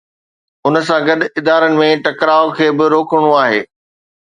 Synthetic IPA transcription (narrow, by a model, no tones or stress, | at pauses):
ʊnə̆s̬ãɡɐd̪ɪd̪aːɾənɪ̆mẽʈɐkɾaːokʰeːbɪɾoːkəɽ̃oaːɦeː